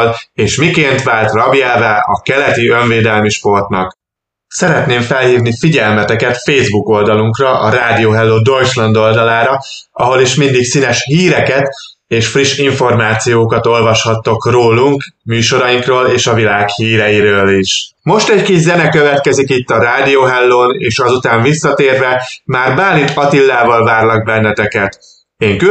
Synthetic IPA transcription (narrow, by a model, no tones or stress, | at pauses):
leːʃmikeːnt̪ʋaːlt̪rɒbiɛlvɛʔɒkɛlɛt̪iø̞ɱveːd̪ɛlmiʃpo̞rt̪nɒk | sɛɾɛt̪neːɱfɛlhiːvnifiɟɛlmɛt̪ɛkɛt̪feːzbuko̞ld̪ɒluŋkrɒʔɒɾaːd̪ijoːɦɛlːoːd̪o̞jt͡ʃlɒnd̪o̞ld̪ɒlaːɾɒ | ɒɦo̞liʃmind̪iksinɛʃhiːɾɛkɛt̪ | eːʃfriʃiɱfo̞rmaːt̪sijoːkɒt̪o̞lvɒʃhɒt̪ːo̞kroːluŋkmyːʃo̞ɾɒjiŋkroːleːʃɒvilaːkhiːɾɛjiɾøːliʃ | mo̞ʃt̪ɛɟkiʒzɛnɛkø̞vɛt̪kɛzikit̪ːɒɾaːd̪ijoːɦɛlːoːneːʃɒzut̪aːɱvisːɒt̪eːrvɛmaːrbaːlinɒt̪ilːaːvɒlvaːrlɒɡ̚bɛnːɛt̪ɛkɛt̪ | eːŋky